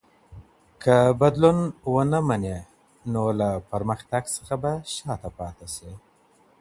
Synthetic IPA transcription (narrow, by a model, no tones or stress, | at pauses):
kʰabad̪lunwənəmane | nolapəɾməxt̪aɡsə̥xabaʃɑt̪apɑt̪aʃi